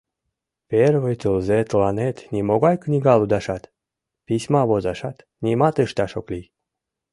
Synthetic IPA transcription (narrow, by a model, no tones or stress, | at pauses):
perβəjt̪əlzet̪lɑnet̪nimoɣɑjknʲiɣɑlud̪ɑʃɑt̪ | pisʲmɑβozɑʃɑt̪ | nʲimɑt̪əʃt̪ɑʃokli